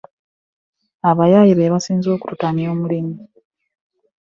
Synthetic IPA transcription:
aβajajiβeβasiːnzo̞ːku̥tutanjo̞ːmulimi

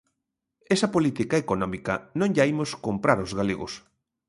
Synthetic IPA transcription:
esɐpolit̪ikaekonɔmikɐnõŋʎaimoskompɾaɾozɣaleɣʊ̰s

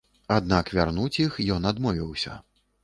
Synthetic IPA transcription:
ad̪nakvʲarnut͡sʲixjɔnad̪mɔvʲiwsʲɐ̰

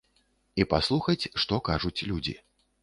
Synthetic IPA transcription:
ipaslˠuxɐt͡sʲʂt̪ɔkaʐut͡sʲlʲud͡zʲḭ

